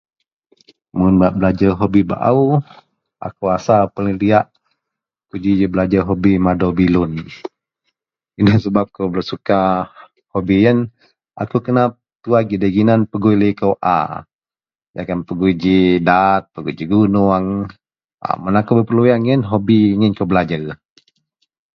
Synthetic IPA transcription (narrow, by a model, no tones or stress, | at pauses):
munbaʔbəlad͡ʒəɦobiba̰ʔa̰u | a̰kuasapələliaʔ | kud͡ʒid͡ʒəbəlad͡ʒaɦobimadɔbilʊn | inəsəbap̚kowbəlasuka | hobijən | a̰kukənap̚t̪uaɡidaɡinanpəɡujləjkəwʔa̰ | d͡ʒakanpəɡujd͡ʒidat̪̚pəɡud͡ʒiɡunuaŋ | a̰mənakobəpəlujaŋənɦobiŋənkowbəlad͡ʒər